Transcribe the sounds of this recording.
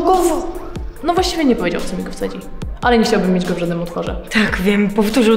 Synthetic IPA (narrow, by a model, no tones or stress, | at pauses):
ɡɔvɔnɔvwaɕt͡ɕivʲjɛɲɛpɔvʲed͡ʑa̰wt̪sɔmʲiɡɔft̪sɛd͡ʑiʔalɛɲɛxt͡ɕawbɘmːjed͡ʑɡɔvʐad̪nɨmɔt̪fɔʐɛ̰t̪akvʲjɛmpɔft̪uʐɨ